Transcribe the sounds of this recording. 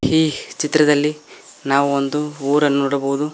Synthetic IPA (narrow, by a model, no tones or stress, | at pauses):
iːt͡ʃit̪ːɾɐd̪ɐlːinaːʋuond̪uuːɾɐnnoːɽɐbɐwud̪u